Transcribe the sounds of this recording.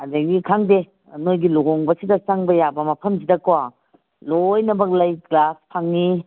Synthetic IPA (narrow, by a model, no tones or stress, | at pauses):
ɐdɐɡikʰaŋde | nojɡiloɡɔŋbɐsidɐsaŋbɐjabɐmɐpʰɐms̬idɐkowa | lojnɐbɐk̚lɐjɡlaspʰaŋni